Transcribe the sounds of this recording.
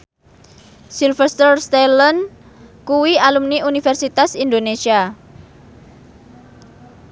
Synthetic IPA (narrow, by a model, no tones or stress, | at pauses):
silfɛst̪ərst̪elɔn | kuwialumniunifɛrsit̪asind̪onesia